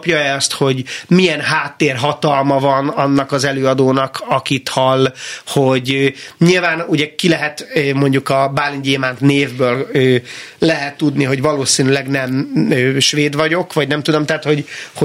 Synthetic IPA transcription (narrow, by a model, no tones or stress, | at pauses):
pjɒɛɒst̪ho̞ɟmijɛnɦaːt̪ːeːrɦɒt̪ɒlmɒvɒnɒnːɒkɒzɛløːɒd̪oːnɒkʰɒkit̪hɒlːho̞ɟɲilvaːnuɟɛkilɛɦɛt̪mo̞ɲɟukɒbaːliɲɟeːmaːnt̪neːvbøːløːlɛɦɛt̪ːud̪niɦo̞ɟvɒloːsiːnylɛɡnɛmøːʃveːd̪vɒɟo̞kvɒɟnɛmt̪ud̪o̞mt̪aːt̪ho̞ɟho